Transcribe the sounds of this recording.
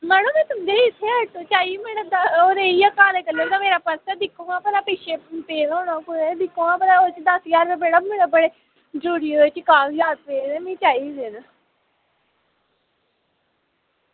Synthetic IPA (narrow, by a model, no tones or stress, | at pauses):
mɛːnõːmɛ̃ːt̪ʊmd̪eːɪt̪ʰːeːət̪ot͡ʃaːiːmɛːned̪oːɾeːiːakaːleːkəlːeːd̪aːmeːɾaːpəsɛːd̪ɪkʰːõːɡãːpɛlaːpeːʃeːpeːzoːɽãːkued̪ɪkʰːõːaːpɛlaːoːt͡ʃd̪əsjaːɾʋebeːɽaːmẽːnebəɽeː | d͡ʒuːɽioot͡ʃkaːld͡ʒaːt̪̚peːeːmĩːt͡ʃaːiːd̪eːna